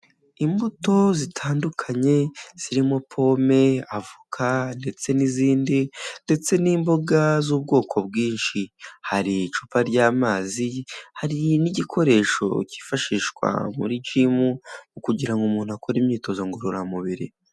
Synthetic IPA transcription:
imbuto̞zitʰaːndukʰaɲe̞z̥iɾimo̞pʰo̞me̞avukʰande̞t͡se̞niziːndinde̞t͡se̞niːmbo̞ɡazuːb̚ɡo̞ːkʰo̞bɡiːnʃihaɾit͡ʃu̥paɾɟaːmaːzihaɾiniɟikʰo̞ɾe̞ʃo̞̰ci̥faʃiʃkwa̰mṵɾid͡ʒimumukuɟiɾaŋɡumuːnuakʰo̞ɾimɲiːto̞zoŋɡoɾoɾamuβiɾḭ

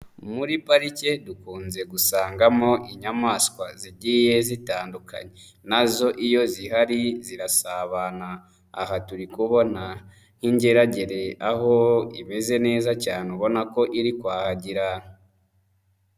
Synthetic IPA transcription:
muɾipaɾice̞dukuːnze̞ɡusaːŋɡamo̞ʔiɲamaːskwaziɟiːje̞zitaːnduka̰ɲe | nazo̞ʔijo̞zihaɾiziɾasaβana̰ː | ɦatuɾikuβo̞na | ŋ̥hiɲɟeɾaɟe̞ɾe̞aho̞ime̞ze̞ne̞ːzacaːneuβo̞nako̞ʔiɾikwaːhaɟiɾan

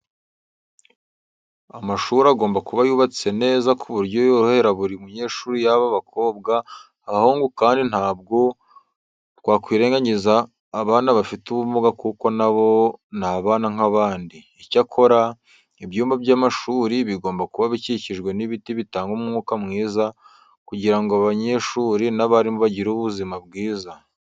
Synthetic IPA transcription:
amaʃuːɾaɡoːmbakuβajuːβat͡sit͡se̞ne̞ːzakʰuβuɾɟo̞joɾohe̞ɾaβuɾiumuɲe̞ːʃuːɾijaβaβakʰo̞ːbɡaː | hoŋɡukaːndinhaːb̚ɡo̞ | tɡwaːkwiːɾe̞ːŋɡaɲizaː | βaːnaβafituβumuɡakuko̞naβo̞naβaːnaŋaβaːndi | icakʰo̞ɾa | ibjuːmbabɟaːmaʃuːɾiβiɡoːmbakuβaβiciciʒɡwe̞niβitiβitaːŋɡumŋuːkamŋiːza | kuɟiɾaŋɡoaβaɲe̞ʃuːɾinaβaɾimoβaɟiɾuβuzimabɡiːza

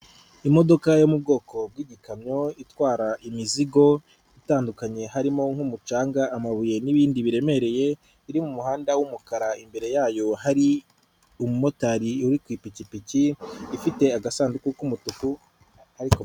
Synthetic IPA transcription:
imo̞do̞kajo̞mub̚ɡo̞ːko̞b̚wiːɟikamɲo̞itwaːɾaʔimiziɡo̞ | itaːndukaɲe̞ɦaɾimo̞ŋhumut͡ʃaːŋɡaʔːmaβuje̞niβiːndiβiɾe̞me̞ɾe̞je̞ | iɾimumuɦaːndawumukaɾaimbe̞ɾe̞jaːjo̞haɾi | umumo̞taɾiuɾikwiːpicipiciːfite̞aɡasaːndukukumutuku | haɾiko

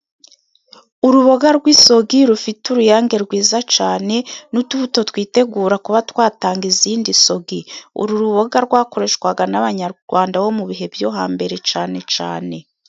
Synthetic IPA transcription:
uɾuβoɡaɾɡwiso̞ɡiɾufituɾujaːŋɡe̞ɾɡwiːzat͡ʃaːne̞nutuβuto̞twiːte̞ɡuːɾakuβatwaːtaːŋɡiziːndiso̞ɡiṵɾuɾuβoɡaɾɡwaːko̞ɾeːʃkwaɡanaβaɲaɡ̥waːndawo̞muβiɦe̞bjo̞ɦaːmbe̞ɾe̞t͡ʃaːne̞t͡ʃa̰ːne̞

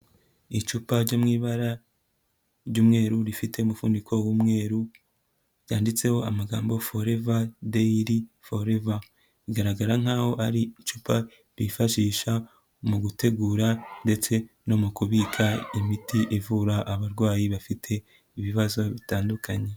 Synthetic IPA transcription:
it͡ʃupaɾɟomŋiːβaɾa | ɾɟuːmŋe̞ːɾuɾifite̞umufuːndikʰo̞wuːmŋe̞ːɾu | ɾjaːndit͡se̞ho̞amaɡaːmbo̞fo̞ɾe̞vadeiɾifo̞ɾe̞va | iɡaɾaɡaɾaŋ̥haːho̞ʔaɾit͡ʃupʰa | ɾifaʃiːʃa | muɡute̞ɡuːɾande̞t͡se̞ | no̞mukuβikʰaimitiʔivuɾaʔaβaɾɡwaːjiβafitʰe̞ | iβiβazo̞βitaːndukaɲe̞

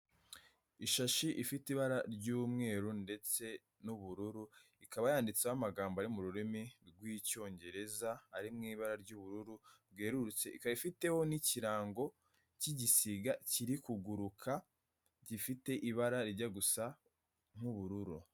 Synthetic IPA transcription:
iʃaʃiʔifitiβaɾaɾɟuːmŋe̞ːɾunde̞t͡se̞ | nuβuɾuɾu | ikʰaβajaːndit͡seamaɡaːmboaɾimuɾuɾimiɾɡwiːco̞ːɲɟe̞ɾe̞zaaɾimŋiːβaɾaɾɟuːβuɾuɾubɡeːɾuɾut͡se̞ʔikaɾifite̞wo̞niciɾaːŋɡo̞ | ciɟisiɡaciɾikuɡuɾukʰa | ɟifite̞ʔiβaɾaɾiɟaɡusa | ŋ̥huβuɾuɾu

